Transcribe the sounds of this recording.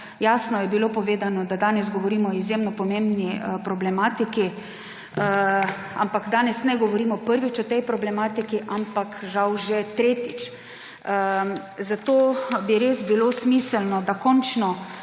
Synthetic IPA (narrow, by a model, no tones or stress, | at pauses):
jaːsnɔjɛbilopɔʋeːd̪anɔd̪ad̪aːnɛzɡɔʋɔɾiːmɔizjemnɔpɔmembnipɾɔblɛmaːt̪iki | a̰mpaɡd̪aːnɛsnɛɡɔʋɔɾiːmɔpəɾʋit͡ʃɔt̪ɛjpɾɔblɛmaːt̪ikiʔampakʒawʒɛt̪ɾeːt̪it͡ʃ | ə | zat̪oːbiɾesbilosmiːsəlnɔd̪akɔnt͡ʃnɔ